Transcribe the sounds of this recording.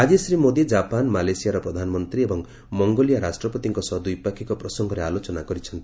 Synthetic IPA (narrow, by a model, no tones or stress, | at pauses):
ad͡ʒisɾimod̪id͡ʒapanmalesijaɾɔpɾɔd̪ʱanɔmɔnt̪ɾiebɔŋ | mɔŋɡolijaɾasʈɾɔpɔt̪iŋkɔsɔd̪uipakʰikɔpɾɔsɔŋɡɔɾealot͡ʃɔnakɔɾit͡ʃʰʌnt̪i̥